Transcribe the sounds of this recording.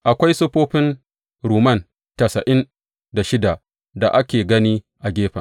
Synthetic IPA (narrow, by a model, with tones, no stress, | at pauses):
ʔa˨kʷa˦jsʊ˦ɸoː˦ɸɪ˦n | ɾuː˨mɐ˦˨n | tɐ˨sɐ˨ʔɪ˦n | da˨ʃɪ˦da˨ | da˨ʔa˦kʲeː˨ɡɐ˦niː˦ | ʔa˨ɡʲeː˦ɸɐ˨